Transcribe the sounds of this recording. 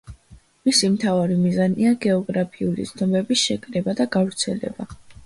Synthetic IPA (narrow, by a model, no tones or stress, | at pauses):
misimt̪ʰavaɾimizaniaɡɛɔɡɾapʰiulḭt̪sʰnɔmɛbisʃɛkʼɾɛbad̪aɡavɾt̪sʰɛlɛ̰ba